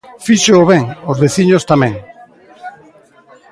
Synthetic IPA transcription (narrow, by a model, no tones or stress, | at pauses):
fiʃeoβɛŋozβeθiɲost̪amɛ̃ŋ